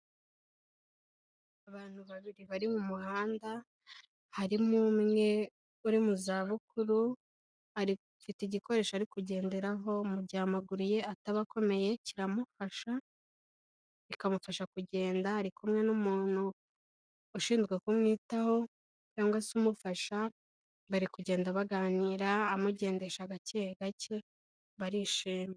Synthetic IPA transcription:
aβaːn̥huβaβiɾiβaɾimumuhaːnda | haɾimumŋe̞ | uɾimuzaβukʰuɾu | haɾi | fiteiɟiko̞ɾe̞ːʃoaɾikuɟe̞ːnde̞ɾaɦo̞muɟaːmaɡuɾujeataβako̞me̞je̞ciɾamufaʃa | βikamufaʃakuɟe̞ːndaaɾikumŋe̞numuːn̥huː | ʃiːnzɡekumŋiːtaho̞ | caːŋɡwasumufaʃa | βaɾikuɟe̞ːndaβaɡaːniːɾaːmuɟe̞ːnde̞ʃaɡaceɡacʰe | βaɾiʃiːme

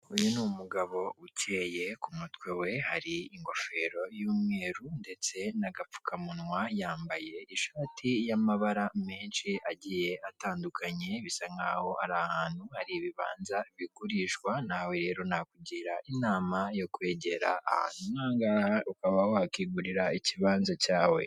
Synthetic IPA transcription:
ujunumuɡaβo̞uceːje̞kumutwe̞we̞haɾiiŋɡo̞fe̞ːɾo̞juːmŋe̞ːɾunde̞t͡se̞naɡap͡fu̥kʰamunŋwajaːmbaje̞iʃaːtʰijamaβaɾameːnʃiʔaɟije̞ʔataːndukʰaɲe̞βisaŋɡaho̞ʔaɾahaːnhuhaɾiːβiβa̰ːnzaβiɡuɾiːʃkwanawe̞ɾe̞ːɾo̞nakuɟiɾaʔinaːmajo̞kwe̞ːɟe̞ɾa̰ːha̰ːn̥umaːŋɡaːhaukaβawoakiɡuɾiɾaiciβaːnzacaːwe̞̰

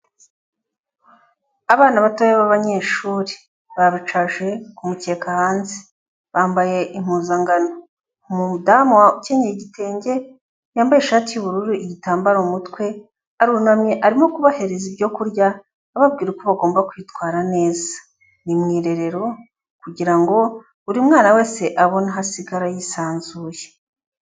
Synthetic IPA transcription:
aβaːnaβatojeβaβaɲe̞ʃuːɾi | βaβit͡ʃaʒe̞kumute̞ːkahaːnze̥ | βaːmbaje̞ʔim̥uːzaŋɡano | mudamwauce̞ɲejiɟite̞ːɲɟe̞ | jaːmbaje̞ʃaːtijuβuɾuɾuʔiɟitaːmbaɾoumutkwe̞ | aɾunamɲeʔaɾimo̞kuβahe̞ɾezibɟo̞kuɾjaː | βab̚ɡiːɾukoβaɡo̞ːmbakwjitwaːɾane̞ːzḁ | nimŋiːɾe̞ɾe̞ɾo̞ | kuɟiɾaŋɡo̞ | uɾimŋaːnawe̞ːse̞ʔaβo̞naɦasiɡaɾajisaːnzuːje

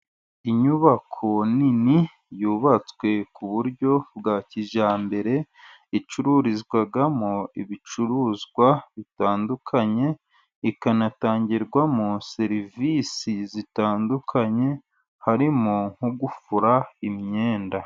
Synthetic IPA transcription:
iɲuβakʰo̞nini | juːβat͡swe̞kuβuɾɟo̞bɡaːciʒaːmbe̞ɾe̞ | it͡ʃuɾuɾizɡwaɡamoiβit͡ʃuɾuːzɡwaβitaːndukʰaɲe̞ | ikanataːɲɟiɾɡwamose̞ɾivisizitaːndukʰaɲe̞ | haɾimoŋ̥huɡufuɾaimɲe̞ːnda

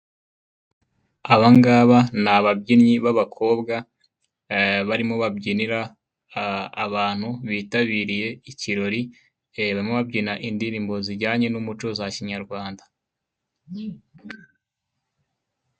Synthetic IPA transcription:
aβaŋɡaːβanaβabɟinɲiβaβakʰo̞ːbɡa | βaɾimo̞βabɟiniɾa | βaːn̥huβiːtaβiːɾije̞iciɾo̞ɾi | βaɾimo̞βabɟinaʔindiɾiːmbo̞ziɾɟaːɲe̞numut͡ʃozaciɲaɾɡwaːnda

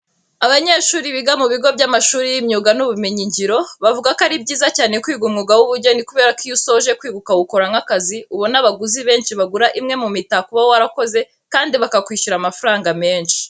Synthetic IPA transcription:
aβaɲe̞ːʃuːɾiβiɡamuβiɡo̞bɟamaʃuːɾijimɲuːɡanuβumeɲiɲɟiɾo̞βavuɡakaɾibɟiːzacaːne̞kwiːɡumŋuɡawuβuɾɟo̞nikuβe̞ːɾakijuso̞ʒe̞kwiːɡukawuko̞ɾaŋakaziuβonaβaɡuziβe̞ːnʃiβaɡuɾaʔimŋe̞mumitakuβawoaɾako̞ze̞ | kaːndiβakakwiːʃuɾamafaɾaːŋɡame̞ːnʃi̥

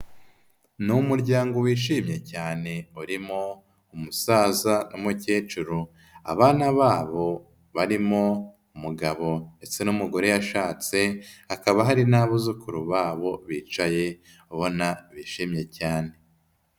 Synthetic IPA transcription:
numuɾɟaːŋɡo̞wiːʃiːmɲe̞caːne̞uɾimo | umusaːzanʔomuceːt͡ʃuɾu | a̰βaːnaβaːβo̞ | βaɾimo̞ | umuɡaβo̞ne̞t͡se̞numuɡo̞ɾe̞jaʃaːt͡se̞hakaβaɦaɾinaːβuzukuɾuβaːβo̞βiːt͡ʃaje̞ | uβo̞naβiːʃiːmɲe̞caːne̞

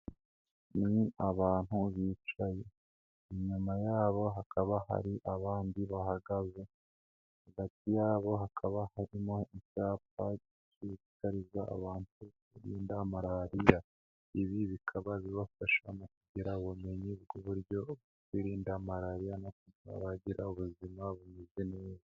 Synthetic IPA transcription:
niaβaːn̥huβiːt͡ʃaje̞ | iɲumajaːβo̞ɦakʰaβaha̰ɾiʔaβaːndiβahaɡaze̞ | haɡatijaːβo̞ɦakʰaβahaɾimo̞icaːp̚aɟiciβikaɾiza̰ːβaːntukwiɾiːndaːmaɾaɾija | iβiβikʰaβaβiβafaʃamok̚uɟiɾaoβume̞ɲiβɡoβuɾɟo̞βokwiːɾiːndaːmaɾaɾijanakua̰βaɟiɾaoβuzimaβumizeneza

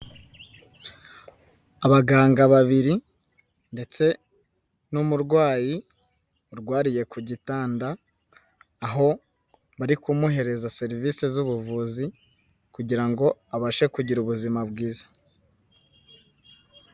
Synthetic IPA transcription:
aβaɡaːŋɡaβaβiɾi | nde̞t͡se̞ | numuɾɡwaːji | uɾɡwaːɾije̞kuɟitaːndaː | ɦo̞ | βaɾikumuɦe̞ɾe̞zase̞ɾiviːsezuβuvuːzi | kuɟiɾaŋɡo̞aβaʃe̞kuɟiɾuβuzimabɡiːzḁ

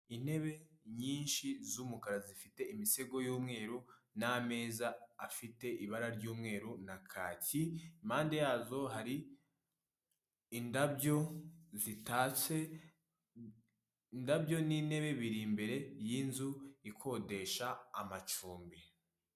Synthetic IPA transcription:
in̥he̞βe̞ɲiːnʃizuːmukaɾazifite̞imise̞ɡo̞juːmŋe̞ːɾuname̞ːzaːfite̞ʔiβaɾaɾɟuːmŋe̞ːɾunakʰaːciimaːnde̞jaːzo̞ɦaɾi | ndabjo̞zitaːt͡se̞ | ndabjo̞nin̥e̞βe̞βiɾimbe̞ɾe̞jinzuikʰo̞de̞ʃaːmat͡ʃuːmbi

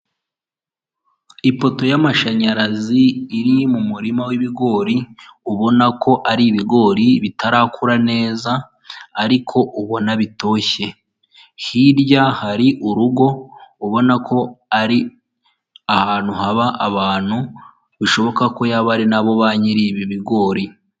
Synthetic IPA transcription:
ipo̞to̞jamaʃaɲaɾaziːɾimumuɾimawiβiɡo̞ːɾiuβo̞nakʰo̞ʔaɾiβiɡo̞ːɾiβitaɾakʰuɾane̞ːzaː | ɾikʰo̞ʔuβo̞naβito̞ːçe̞ | hiɾɟahaɾiʔuɾuɡo̞uβo̞nakʰo̞aɾi | ahaːn̥huɦaβaʔaβaːn̥u | βiʃo̞βo̞kako̞jaβaɾinaβo̞βaːɲiɾiːβiβiɡo̞ːɾi

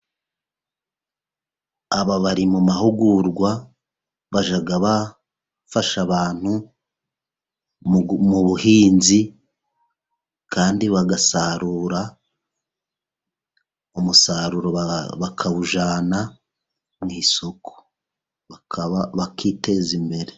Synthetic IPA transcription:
aβaβaɾimumahuɡuɾɡwa | βaʒaɡaβa | faʃaβaːn̥hu | muβuhiːnzi | kʰaːndiβaɡasaɾuːɾa | umusaɾuɾoβakʰaβuʒaːna | mŋisokʰo̥ | βakaβakʰiːte̞zimbe̞ɾe

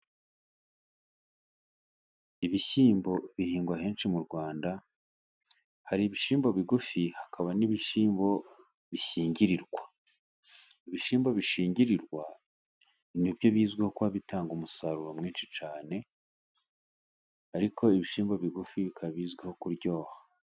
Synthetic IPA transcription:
iβiçiːmbo̞βihiːŋɡwaɦe̞ːnʃimuɾɡwaːnda | haɾiːβiʃiːmbo̞βiɡufihakʰaβaniβiʃiːmbo̞ | βiçiːɲɟiɾiɾɡwa | iβiʃiːmbo̞βiʃiːɲɟiɾiɾɡwa | nibjo̞βiːzɡweho̞kuhaβitaːŋɡumusaɾuɾomŋiːnʃit͡ʃaːne̞ | aɾikʰo̞iβiʃiːmbo̞βiɡufiβikʰaβiːzɡweho̞kuɾɟo̞ːhḁ

